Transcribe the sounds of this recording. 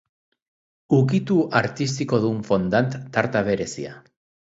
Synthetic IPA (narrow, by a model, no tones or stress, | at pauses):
ukit̪uʔaɾt̪ist̪iko̞ðuɱfo̞nd̪ant̪ːaɾt̪aβe̞ɾe̞sia̰